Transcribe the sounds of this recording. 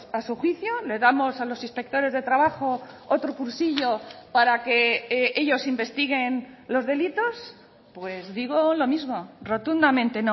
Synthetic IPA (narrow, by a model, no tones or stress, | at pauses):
asuxwiθjole̞ðamo̞salo̞sinspe̞k̚t̪o̞ɾe̞zðe̞t̪ɾaβaχo̞ot̪ɾokuɾsiʎo̞paɾake̞ʔe̞ʎo̞simbe̞st̪iɣ̞e̞nlo̞zðe̞lit̪o̞s | pwe̞zðiɣ̞olo̞mizmoro̞t̪und̪amẽ̞nt̪eno